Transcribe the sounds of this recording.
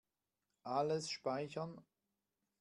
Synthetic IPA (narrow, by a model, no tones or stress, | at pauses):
ʔaləsʃpaɪçɐn